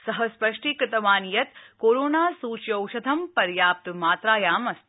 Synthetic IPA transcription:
sɐɦəspɐʂʈikɾɪt̪ɐʋaːnijɐt̪koːɾoːnaːsuːt͡ʃjɐwʃɐd̪ʱɐmpɐɾjaːp̚t̪maːt̪ɾaːjaːmɐst̪

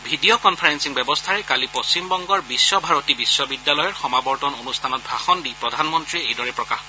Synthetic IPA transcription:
bʱidiɔkɔnpʰaɹɛnsiŋbɛbɔstʰaɹɛkalipost͡ɕimbɔŋɡɔɹbisːɔbʱaɹotibisːɔbidːalɔjɔɹxɔmabɔɹtɔnonustʰanɔt̚bʱaxɔndipɹɔdʱanmɔntɹiejdɔɹɛpɹɔkax

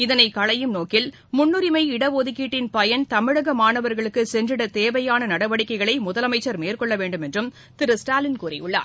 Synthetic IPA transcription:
ɪðɐnɐɪkɐɭɐjɯmnoːkɪl | mʊnːɯɾɪmɐɪɪɽɐʋoːðɪkːiːʈːɪnpɐjɐnt̪ɐmɪɻɐɣɐmaːnɐʋɐɾɣɐɭɯkːɯsɛndrɪɽɐt̪eːʋɐjaːnɐnɐɽɐʋɐɽɪkːɐɪɣɐɭɐɪmʊðɐlɐmɐɪt͡ʃːɐɾmeːrkɔɭːɐʋeːɳɖɯmɛndrɯm | t̪ɪɾɯsʈaːlɪnkuːrɐ̰jʊɭːa̰ːɾ

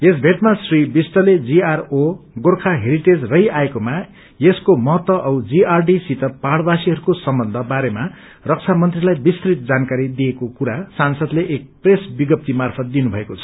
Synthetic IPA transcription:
esbʱeʈmasribisʈʌled͡ziaroɡorkʰaɦeɾiʈed͡zrʌɦiaekoma | jeskomʌɦt̪ʌʔʌwd͡ziarɖisit̪ʌpaɽbasiɦʌɾukosʌmbʌnd̪ʱʌbaɾema | rʌk̚t͡sʰamʌnt̪rilajbist̪rit̪̚d͡zankaɾid̪ijekokuɾasansʌd̪leʔek̚presbiɡʌp̚t̪imarpʰʌt̪̚d̪inubʱʌekot͡sʰʌ̥

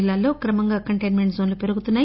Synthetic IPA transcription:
lːaːlːo̞ːkɾɐmɐŋɡaːkɐɳʈejnme̞ɳʈzoːnlupe̞ɾuɡut̪unːaː

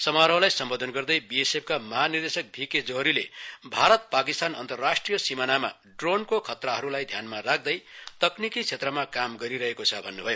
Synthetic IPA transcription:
sʌmaɾʌwlajsʌmbod̪ʱʌnɡʌrd̪ʌjbiesep̚ʰkamʌɦanird̪esʌk̚bʱiked͡zoɦɾilḛbʱaɾʌt̪̚pakist̪anʌ̰nt̪ʌrːasʈrijʌsimanama̰ | ɖronkokʰʌt̪raɦʌɾulajd̪ʱjanmarak̚ʰd̪ʌjt̪ʌknikit͡sʰet̪rʌmakamɡʌɾiɾʌɦekot͡sʰʌbʱʌnːubʱʌjo

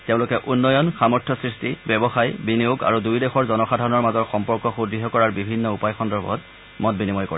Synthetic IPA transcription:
tɛʊ̃lʊkɛʔunːɔjɔnxamɔɹtʰjɔsɹistibɛbɔxajbinijoɡa̰ɹudujdexɔɹzɔnɔxadʱaɹɔnɔɹmazɔɹxɔmpɔɹkɔxudɹiɦɔkɔɹaɹbibʱinːɔupajxɔndɔɹbʱɔ̰t | mɔtbinimɔjkoɹi

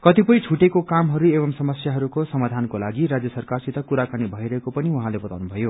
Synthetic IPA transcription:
kʌt̪ipʌjt͡sʰuʈekokamɦʌɾuebʌmsʌmʌsjaɦʌɾukosʌmad̪ʱankolaɡiɾad͡zjʌsʌrkarsit̪ʌkuɾakanibʱʌiɾʌɦekopʌniuɦãlebʌt̪a̰wnubʱʌjo

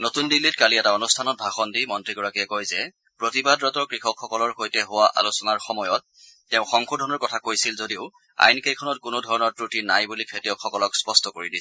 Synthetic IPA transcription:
notundilitkaliɛtaonustʰanɔt̚bʱaxɔndimɔntɹiɡɔɹakɛkojzɛ | pɹotibadɹɔtɔɹkɹixɔkxːɔkɔlɔɹxojtɛɦowaʔa̰lusɔnaɹxɔmɔjɔt̚ː | ɛʊ̃xɔŋkʰodʱɔnɔɹkɔtʰakojsilzodiʊ | a̰jnkejkʰɔnɔt̚kʊnodʱɔɹɔnɔɹpɹutinajbulikʰetijɔkxɔkɔlɔkspɔstʰɔkoɹidis

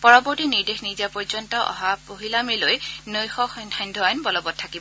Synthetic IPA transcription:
pɔɹɔbɔɹtiniɹdexnizapɔɹzɔntɔʔɔ̰ɦapoɦilamelojnojxɔxnʰandʱɔanbɔlɔbɔt̚tʰːakibɔ

